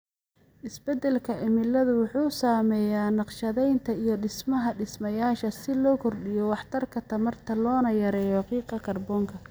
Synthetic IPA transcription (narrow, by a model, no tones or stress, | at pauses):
ʔɪsbɛd̪ɛlkʰɐʔɪmɪlɐðʊwʊħuːsaːmɛjaːnɑqʃɐðɛjnt̪ʰɐijɔɖɪsmɐɦɐɖɪsmɐjaːʃɐsɪlɔːkʰɔrɖɪjɔwɑħt̪ʰɐrkʰɐt̪ʰɐmɐrt̪ʰɐlɔːnɐjɐɾɛːjɔqiːqɑkʰɐrbɔːŋkʰɐ